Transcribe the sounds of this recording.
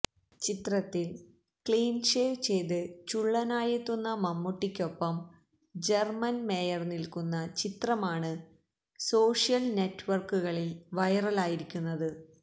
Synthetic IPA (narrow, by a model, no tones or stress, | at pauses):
t͡ɕit̪rɐt̪ːil | kɭiːnʂeːʋt͡ɕe̞jt̪ɨt͡ɕuɭːɐnaːjet̪ːunːɐmɐmːuʈːikʲːo̞pːɐm | d͡ʑermɐnmeːjɐrnilkunːɐt͡ɕit̪rɐmaːɳɨ | so̞ːʂijɐlne̞tːʋɐrkuɣɐɭilʋɐjɐrɐlaːjiɾikʲːunːɐðɨ